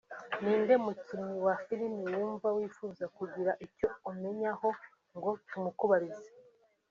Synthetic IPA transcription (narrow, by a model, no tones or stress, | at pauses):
niːnde̞mutumiwafiɾimiwuːɱvawifuːzakuɟiɾaʔico̞ume̞ɲaho̞ | ŋɡo̞tumukuβaɾize